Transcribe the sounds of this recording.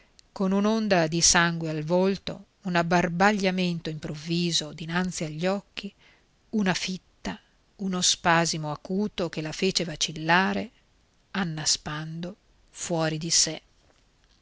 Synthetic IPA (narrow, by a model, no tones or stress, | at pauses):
konunond̪ad̪isaŋɡwealvolt̪o̰ | unabːarbaʎːament̪oimpɾovːiːzod̪inant̪siaʎːɔkːi | unafit̪ːa | unospaːzimoakuːt̪okelafeːt͡ʃevat͡ʃilːaːɾe | anːaspand̪o | fwɔːɾid̪ise